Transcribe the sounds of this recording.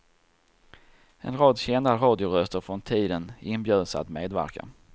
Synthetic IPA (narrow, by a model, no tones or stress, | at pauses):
ɛ̰nɾɑːd̪ɕɛnd̪aɾɑːd̪ɪʊɾœst̪əɾfɾɔnt̪ʰiːd̪ənɪnbjøːd̪əsəa̰t̪mḛːd̪væ̰ɾka̰